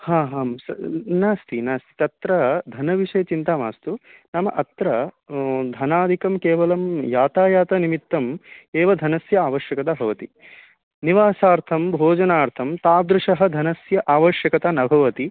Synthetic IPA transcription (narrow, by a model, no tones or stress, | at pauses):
haːɦaːsɐnaːst̪ʰinaːst̪i̥t̪ɐt̪ɾɐd̪ʱɐnɐʋiʂɐjːɐt͡ʃint̪aːmaːst̪unɐmɐ̰ʔɐt̪ɾɐ | d̪ʱɐnaːd̪ʱikɐmkeːʋɐlɐmjaːt̪aːjaːt̪ɐnimit̪ːɐmeːʋɐd̪ʱɐnɐsjɐaːʋɐʃjɐkɐt̪ɐbʱɐʋɐt̪i | niʋaːsaːɾt̪ʰɐmbʱoːd͡ʒɐnaːɾt̪ʰɐmt̪aːd̪ɾuʂɐɦɐ̆d̪ʱɐnɐsjɐʔaːʋɐʃjɐkɐt̪aːnɐbʱɐʋɐt̪i